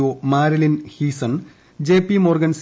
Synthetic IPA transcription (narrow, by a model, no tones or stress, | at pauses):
oːmaːɾɐlinhiːsɐn | d͡ʑeːpːimoːrɡɐns